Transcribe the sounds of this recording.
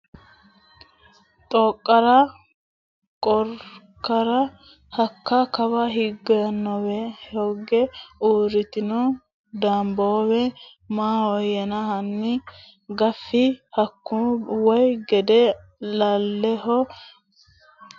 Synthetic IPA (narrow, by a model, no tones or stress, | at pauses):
t̪ʼɔkʼːɐɾɐ | kʼɔɾkːɐɾɐ | hɐkːɐkɐbɐɦɪɡːɐjɐnːɔwɛhoɡɛuːɾɪt̪ɪnɔ | d̪aːmbowɛ | maːhɔjɛnɐhɐnːɪ | ɡɐfːɪhɐkːuwɔjɡɛd̪ɛ | lalːɛɦɔ